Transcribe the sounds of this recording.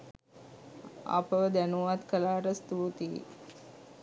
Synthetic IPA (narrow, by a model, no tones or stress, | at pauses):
a̰pəʋəd̪ænuʋat̪kəlaːɾəst̪uːt̪ḭ